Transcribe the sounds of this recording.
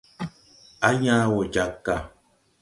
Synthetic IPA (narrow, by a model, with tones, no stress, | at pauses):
a˦ɲã˦wo˨d͡ʒa˨˦kːa˨